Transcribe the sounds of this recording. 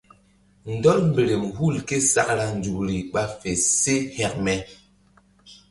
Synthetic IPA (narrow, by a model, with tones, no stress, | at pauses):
n̩˨dɔ˦lm˨be˨ɾe˨mhu˦˨lke˦sa̰˦k̚ɾa˦n̩˨d͡ʒu˨kɾi˨ɓa˦fe˨se˦hɛ˦k̚mɛ˨